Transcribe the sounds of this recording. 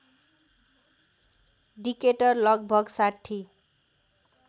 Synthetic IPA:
ɖikeʈʌrlʌɡ̚bʱʌɡsaʈʰːi

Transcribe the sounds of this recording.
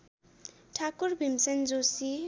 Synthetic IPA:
ʈʰakurbʱimsend͡zosi

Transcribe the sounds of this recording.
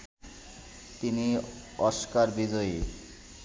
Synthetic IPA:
t̪ini | ɔʃkaɾbid͡ʑɔi

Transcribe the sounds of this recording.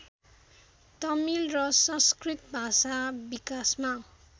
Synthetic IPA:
t̪ʌmilrʌsʌskrit̪bʱasabikasma

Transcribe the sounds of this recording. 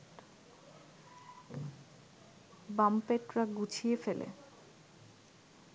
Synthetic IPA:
bampeʈɾaɡut͡ɕʰijefelʔḛ

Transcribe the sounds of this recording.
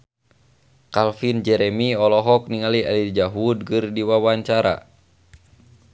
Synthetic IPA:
kalfind͡ʒɛɾɛmiɔlɔɦɔk̚niŋalia̰lid͡ʒaɦud̚ɡɨrdiwawaɲt͡ʃaɾa̰

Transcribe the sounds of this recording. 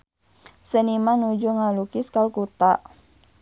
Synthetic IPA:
sənimanud͡ʒuŋalukiskalkut̪a̰ʔ

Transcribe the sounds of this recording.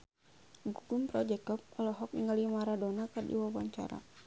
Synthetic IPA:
ɡuɡumpɾɔd͡ʒɛkɔp̚ɔlɔɦɔk̚niŋalimaɾadɔnakɨrdḭwawaɲt͡ʃa̰ɾa̰

